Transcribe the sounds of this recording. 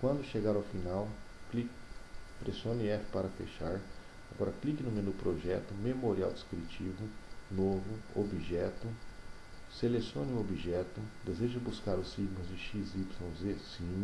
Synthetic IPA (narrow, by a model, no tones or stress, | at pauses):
kwɐ̃nd̪ʊʃeɡaɾawfinawklikpɾesiõniɛfɪ̥paɾɐfḛʃaɾ | aɡɔɾɐklikɪnũmẽnupɾoʒɛt̪ʊmemoɾia̰wd͡ʒiskɾit͡ʃivʊnovʊobiʒɛt̪ʊ | selesiõnɪũobiʒɛt̪ʊd̪ezeʒɐbuskaɾʊsːiɡmɐzd͡ʒɪʃizipsõw̃zesĩm